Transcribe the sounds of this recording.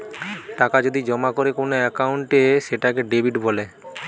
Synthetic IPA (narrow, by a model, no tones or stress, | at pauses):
ʈakad͡ʑod̪id͡ʑɔmakoɾekonoɛkawuɳʈeʃeʈakeɖebʱiʈbɔle